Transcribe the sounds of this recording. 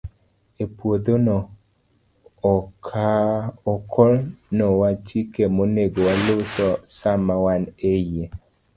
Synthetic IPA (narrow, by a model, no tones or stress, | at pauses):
epwod̪onɔ | kʰaɔkʰɔlnɔwat͡ʃikemoneɡowalosɔsamawaneje